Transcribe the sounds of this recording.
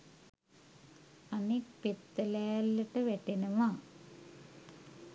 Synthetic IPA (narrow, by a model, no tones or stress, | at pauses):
ɐnipit̪ːɐleːlːiʈːɨʋeʈːinɐma